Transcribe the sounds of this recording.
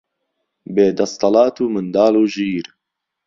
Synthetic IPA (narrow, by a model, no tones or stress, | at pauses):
beːd̪ɐst̪ˤɑlɑːt̪uːmɨnd̪ɑːluːʒiːɾ